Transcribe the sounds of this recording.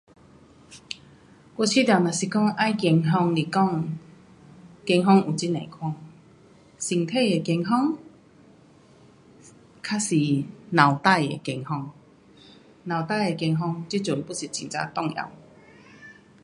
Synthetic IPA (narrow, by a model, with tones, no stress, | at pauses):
kʷo˧t͡ɕʰi˦t̪ja˨˩nã˨˩ɕi˨˩kɔ˥˧ŋʔa˦jkɛ˧ŋɦɔ˧ŋli˨˩kɔ˥˩ŋ | ke˧ŋɦɔ˧ŋu˨t͡ɕi˦nḛ̃˨˩˨kʰwa˥˩ŋ | si˧˩ŋt̪ʰe˥˧˨e˨˩kje˧ŋɦɔ˥˧ŋ | kʰa˦si˨˩nã˨˩wt̪a˥˧˨jḛ˨ke˧ŋhɔ˧ŋ | nã˨˩wt̪a˥˨je˨˩ke˧ŋɦɔ˧ŋt͡ɕi˦˥t͡ɕju˨ŋpu˦si˨˩t͡ɕĩ˧ŋt͡sa̰˧˦t̪ɔ˥˧ŋja̰˨˧˦w